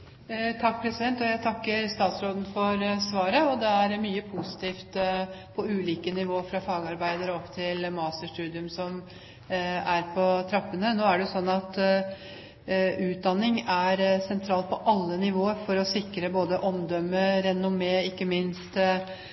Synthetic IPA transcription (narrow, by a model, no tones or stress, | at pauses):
t̪ʰɑk̚ːpʰɾɛsɪd̪ɛnt̪ɔjæɪt̪ʰɑkːəɾst̪ɑːt̪sɾoːd̪n̩fɔɾsʋɑːɾəɔd̪ɛæɾmyːəpʰʊsɪ̥t̪ʰiːft̪pʰɔʉːliːkənɪʋoːəɾfɾɑfɑːɡɑɾbæɪd̪əɾɔpt̪ʰɪlmɑːst̪əʂʈʉːd̪ɪʉmsɔm | æɾpʰɔt̪ʰɾɑpːənənoːæɖɛsɔnːɑt̪ | ʉːt̪̚d̪ɑnːɪŋæɾsɛnt̪ʰɾɑːlt̪̚pʰɔʔɑlːənɪʋoːəɾfɔɾɔsɪkɾəboːd̪əʔɔmd̪œmːəɾɛnːʊmeːɪkːəmɪnst̪